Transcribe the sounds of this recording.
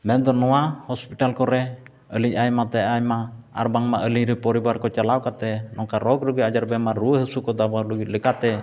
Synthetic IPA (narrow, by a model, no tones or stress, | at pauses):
mɛnd̪ɔnɔwahɔspiʈalkɔɾɛ | əlicajmat̪ɛajmaa̰ɾbaŋmaʔəliɾɛpɔɾibaɾkɔt͡ʃalawkat̪ɛnɔŋkaɾɔkɾuɡiad͡ʒaɾbɛmaɾuəɦəsukɔd̪abaɾuɡit̪̚ləkat̪ɛ